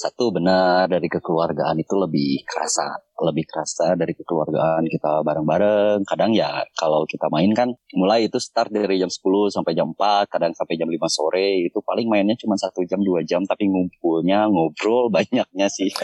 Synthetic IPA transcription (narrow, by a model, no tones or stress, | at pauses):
sat̪ubənardaɾikəkəluarɡaʔanit̪uləbɪhkəɾa̰sa̰ləbɪhkəɾasadaɾikəkəlua̰rɡa̰ankit̪abaɾəŋbaɾəŋkadaŋjakalawkit̪amaɪnkanmulajit̪usə̥t̪ar̚daɾid͡ʒamsə̥pulʊhsampajd͡ʒammpat̪̚kadaŋsampajd͡ʒamlimasoɾɛit̪upalɪŋmaɪnɲat͡ʃumansat̪ud͡ʒamduad͡ʒamt̪apiŋump̚ulɲaŋobɾɔlbaɲak̚ɲasɪh